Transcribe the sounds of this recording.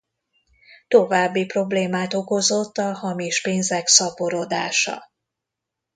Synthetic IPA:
t̪o̞vaːbːipro̞bleːmaːt̪o̞ko̞zo̞t̪ːɒhɒmiʃpeːnzɛksɒpo̞ɾo̞d̪a̰ːʃɒ̰

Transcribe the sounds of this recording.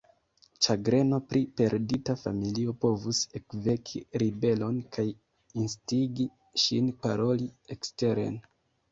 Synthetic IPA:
t͡ʃaɡɾe̞no̞pɾʔipe̞ɾditafa̰milio̞po̞vusekve̞kʰiɾibe̞lo̞nkʰaj | instiɡi | ʃinpaɾo̞liekste̞ɾe̞̰n

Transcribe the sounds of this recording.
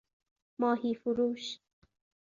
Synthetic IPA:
mɑːɦiːfʊɾuːʃ

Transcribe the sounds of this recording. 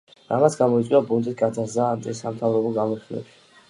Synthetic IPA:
ɾamat̪sʰɡamɔit̪sʼiabunt̪ʼit̪ɡad̪azaːnt̪ʼisamt̪ʰavɾɔbɔɡamɔsilɛ̰bʃi̥

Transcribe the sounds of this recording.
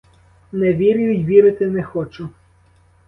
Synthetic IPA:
nɛʋʲiɾʲʊjʊjʲʋʲiɾɪt̪ɪnɛxɔt͡ʃʊ

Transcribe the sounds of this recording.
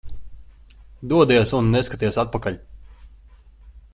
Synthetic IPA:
d̪uɔd̪ijɛsunːɛskat̪iɛsat̪̚pakaʎʲ

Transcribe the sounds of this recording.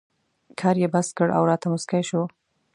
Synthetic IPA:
kʰɑːɾjebaskəɽʔa̰wɾɑt̪amʊskajʃo

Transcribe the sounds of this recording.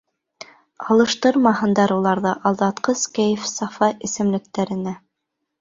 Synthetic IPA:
ɑlˠɤ̆ʃt̪ɤɾmɑhɤ̆nd̪ɑɾulˠɑɾðɤʔɑlˠd̪ɑt̪qɤskæjɘfsɑfɑʔɘ̆sɘ̆mlɘ̆k̚t̪æɾɘ̆næ

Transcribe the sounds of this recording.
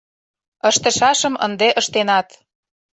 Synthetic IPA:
əʃt̪ə̆ʃɑʃə̆mə̰̆nd̪eʔə̆ʃt̪enɑt̪

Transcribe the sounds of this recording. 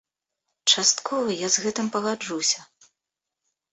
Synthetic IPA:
t͡ʂast̪kʰɔvɐjazɣɛt̪ɨmpɐɣad͡ʐusʲɐ

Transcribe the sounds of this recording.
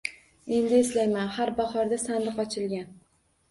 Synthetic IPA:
e̞nd̪ɪːslajmanhaɾbaχɒɾd̪asand̪ɪqɒt͡ʃʰɪlɡʲan

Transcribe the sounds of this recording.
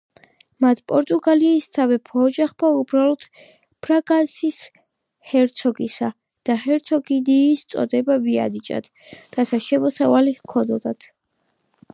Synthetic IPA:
mat̪ʰpʼɔɾt̪ʼuɡaliːst̪sʰavɛpʰɔːd͡ʒaχbaubɾalˠɔd̪̥ | pʰɾaɡasis | hɛɾt̪sʰɔɡisa | d̪̥ahɛɾt̪sʰɔɡid̪iːst̪sʼɔ̰d̪ɛbavia̰d̪it͡ʃʼa̰t̪ʰ | ɾasʰaʃɛmɔsavalikʰɔd̪ɔd̪at̪ʰ

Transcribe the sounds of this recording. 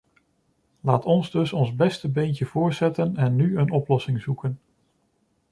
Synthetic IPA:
laːtɔnzdɵsɔnzbɛstəbejntəvʊːɹsɛtənɛnːyənɔplɔsɪŋzukən

